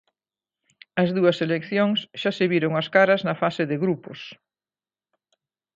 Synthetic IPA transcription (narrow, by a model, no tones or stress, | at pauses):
ɐzðuɐselekθjoŋsʃaseβiɾoŋɐskaɾɐznɐfasɪðɪɣɾupʊ̰s